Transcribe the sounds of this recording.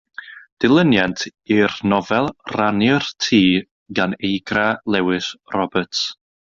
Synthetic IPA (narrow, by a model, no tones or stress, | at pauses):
d̥ɪlˠənjantʰirnɔvɛlˠranjərtʰiː | ɡanejɡralˠɛwɪsrɔbəts